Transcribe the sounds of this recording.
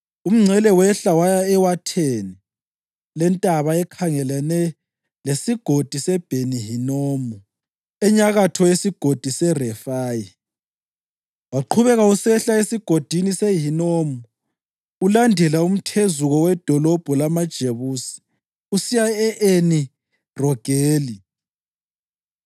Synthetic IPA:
um̩ŋ͡ǀʱɛlɛwɛɬawajaɛwatʰeni | lɛntʼaβaɛkʰaŋɛlanɛ | lesiɡ̥ʱod̥ʱisɛb̥ʱeniɦinomɔ | ɛɲaɣatʰɔjesiɡ̥ʱod̥ʱisɛrɛfaːji | waǃʰuβɛɣausɛɬaesiɡ̥ʱod̥ʱinisɛɦinomɔ | ulandʱɛlaum̩tʰezuɣɔwɛd̥ʱɔlɔb̥ʱɔlamad̥ʒ̥ʱeβuːsi̥ | usijaɛʔeni | rɔɡ̥ʱeːli

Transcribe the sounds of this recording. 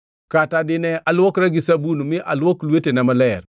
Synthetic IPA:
katadɪnɛalwɔkɾaɡisabunmɪʔa̰lwoklwetenɛməlɛɾ

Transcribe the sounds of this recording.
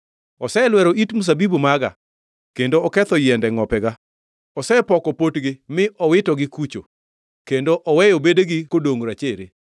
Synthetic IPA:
ɔsɛlwɛɾoitmus̬abibumaɡa̰ | kendoɔkɛt̪ɔjɛndɛŋɔpɛɡa | ɔsɛpɔkɔpotɡɪmɪʔɔwɪtɔɡɪkut͡ʃo̰ | kendoʔɔwɛjobedeɡɪkodoŋɾat͡ʃeɾe

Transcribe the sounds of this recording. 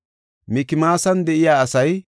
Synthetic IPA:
mɪkɪmaːsɐnd̪ɛʔɪjaːɐsɐj

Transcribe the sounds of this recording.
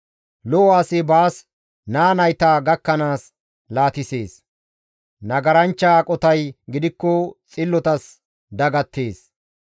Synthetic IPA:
lɔwaːsɪbaːs | naːnɐjt̪aːɡɐkːɐnaːs | laːt̪ɪse̞ːs | nɐɡɐɾɐnt͡ʃːaːkʼɔt̪ɐjɡɪd̪ɪkːɔt͡sʼɪlːɔt̪ɐs | d̪ɐɡɐt̪ːe̞ːs

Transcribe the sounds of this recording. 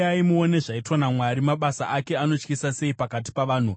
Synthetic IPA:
aimuone̞ʐaitwanamwaɾimaɓasa̰ʔake̞ano̞t͡ʃkisase̞ipakat̬i̥paʋaːn̤u

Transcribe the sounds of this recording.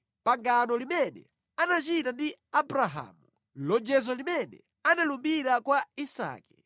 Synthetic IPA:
paŋɡanɔlimɛnɛ̰ | anat͡ʃitandiabɾaɦa̰mu | lɔd͡ʒɛzɔlimɛnɛ̰ | analumbiɾakwaisa̰ːkɛ̥

